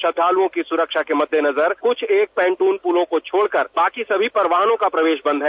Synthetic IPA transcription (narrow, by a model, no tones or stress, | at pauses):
ʃɐd̪ʰʱaːluõkisʊɾəkʃakemɐd̪ʱjenɐzəɾkʊt͡ʃʰeːk̚pɛ̃ːɳʈuːnpuːlõkot͡ʃʰoːɽkəɾbaːkisɐbʱipɐɾʋaːɦnõkapɾɐʋeːʃbɐ̃nd̪ɦɛː